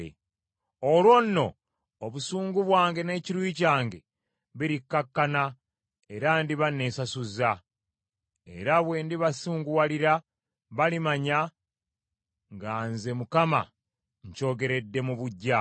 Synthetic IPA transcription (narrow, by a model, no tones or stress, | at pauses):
ḛ | olwo̞nːo̞ː | βusuːŋɡuβwaːŋɡe̞ne̞ːciɾwiːcaːŋɡe̞ | βiɾikːakːana | e̞ɾandiβanːe̞sasuza | e̞̰ɾaβwe̞ːndiβasuːŋɡuwaliɾa | βalimaɲa | ŋɡaːnze̞mukama̰ | ɲco̞ːɡe̞ɾe̞dːe̞muβuɟːa